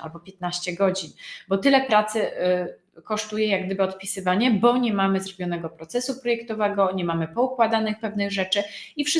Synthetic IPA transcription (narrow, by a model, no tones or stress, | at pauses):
a̰lbɔpʲjɛt̪̚naɕt͡ɕɛɡɔd͡ʑinbɔt̪ɘlɛpɾat̪sɘ | kɔʂt̪ujɛjaɡd̪ɘbɘɔt̪̚pʲisɘvaɲɛbɔɲɛmamɘzɾɔbʲjɔnɛɡɔpɾɔt̪sɛsupɾɔjɛkt̪ɔvɛɡɔɲɛmamɘpɔukwad̪anɘxpɛvnɘɣʐɛt͡ʂɘifʂ